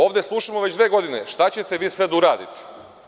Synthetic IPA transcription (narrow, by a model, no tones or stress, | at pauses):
o̞ːʋd̪e̞slˠuʃamoʋe̞d͡ʑd̪ʋe̞ːɡo̞d̪inḛʃt̪at͡ɕe̞t̪e̞ʋiːsʋe̞d̪auɾaːd̪ḭt̪i̥